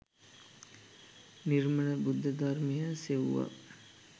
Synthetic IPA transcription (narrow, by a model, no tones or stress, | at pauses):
nirmənəbud̪ʱːəd̪armejəseʋʋa̰